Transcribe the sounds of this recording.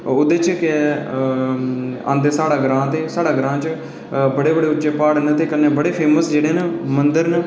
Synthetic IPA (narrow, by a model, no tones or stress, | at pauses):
ʊd̪eːt͡ʃkɪ | ã̰ːnd̪eːsaːɽaːɡɾãːt̪eːsaːɽaːɡɾãːt͡ʃ | bəɽeːbəɽeːʊtːʃeːpaːɽnət̪eːkənːeːbəɽeːpʰeːməsd͡ʒeːɽeːnmənd̪əɾn